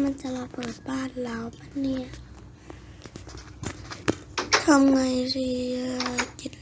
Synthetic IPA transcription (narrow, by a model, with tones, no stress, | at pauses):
ma˧˥˨nt͡ɕa˧ma˧˨pɤː˨˩t̪̚baː˧˩˨n̚laː˨˦wpa˧˥nːi˧˩˨ | t̪ʰa˧˨mŋa˧˩jsiː˧˩ | ki˧˩t̪̚